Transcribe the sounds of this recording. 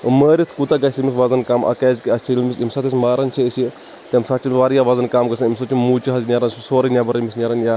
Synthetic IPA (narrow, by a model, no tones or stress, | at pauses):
məːɾit̪ʰkut̪aɡɐsimisʋazɐnkaːmʔɐ̰kaːzkiɐt͡ʃʰilmisimsat̪ismaːɾɐnt͡ʃʰiəsi | t̪ʲɐmsat͡ʃʰimʋaːɾjaʋazɐnkaːmɡɐsɐnimsot͡ʃimuːt͡ʃiɦɐznʲaɾɐnsusoːɾɐnʲabɐɾɐmisnʲaɾɐnja